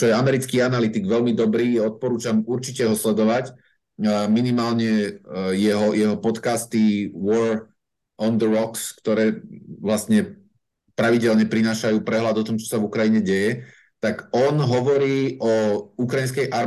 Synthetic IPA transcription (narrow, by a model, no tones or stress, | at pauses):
t͡ʃɔjɛamɛɾit͡skiːanalit̪iɡʋɛlmid̪ɔbɾiːɔt̪̚pɔɾuːt͡ʃamuɾt͡ʃicɛɦɔslɛd̪ɔʋac | minimaːlɲɛjɛɦɔjɛɦɔpɔt̪kaːst̪iwɔɾ | ɔnd̪əɾɔkskt̪ɔɾɛːʋlasɲɛ | pɾaʋiɟɛlɲɛpɾinaːʃajuːpɾɛɦlad̪ɔt̪ɔmt͡ʃɔ̥savukɾajiɲɛɟɛjɛ | t̪aɡɔnɦɔʋɔɾiːʔɔukɾajinskɛjʔaɾ